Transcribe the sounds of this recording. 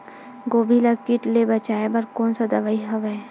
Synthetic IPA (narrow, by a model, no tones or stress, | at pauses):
ɡoːbʱilakiʈlebɐt͡ʃaːebɐɾkoːnsad̪ɐʋaːiɦɐʋe